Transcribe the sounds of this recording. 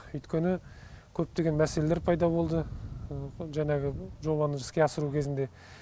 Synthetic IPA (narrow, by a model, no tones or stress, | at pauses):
ʏjt̪kʲʰe̞nɪ | kʲʰɵp̚t̪e̞ɡʲe̞nmæse̞le̞le̞ɾpʰɑjd̪ɑbo̞lˠd̪ə | ʒæŋɑɡʲɪʒo̞βɑnəʒɪskʲe̞ɑsəɾukʲʰe̞zɪnd̪e̞